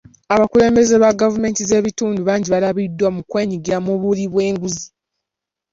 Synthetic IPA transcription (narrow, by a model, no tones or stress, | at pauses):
aβakule̞ːmbe̞zeβaɡavume̞ːntize̞ːβituːnduβaːɲɟiβalaβidːwamukwe̞ːɲiɡiɾamuβuliβwe̞ːŋɡuzi